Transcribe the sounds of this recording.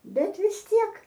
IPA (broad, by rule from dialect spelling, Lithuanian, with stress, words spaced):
ˈbʲɛt ʋʲɪs ˈtʲiɛk